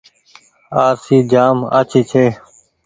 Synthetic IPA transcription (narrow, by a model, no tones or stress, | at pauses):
aːɾsiːd͡ʒaːma̰ːt͡ʃʰiːt͡ʃʰeː